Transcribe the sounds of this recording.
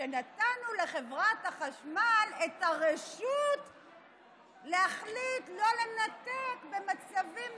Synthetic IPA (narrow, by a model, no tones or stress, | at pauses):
enatanule̞χevʁathaχaʃmalethaʁeʃut | lehaχlitlo̞le̞natekbe̞mat͡savim